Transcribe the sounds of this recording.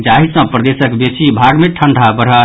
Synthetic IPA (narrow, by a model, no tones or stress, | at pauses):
d͡ʒaɦisə̃pɾəd̪esəkbesibʱaɡmeʈʰəɳɖʱabəɾɦə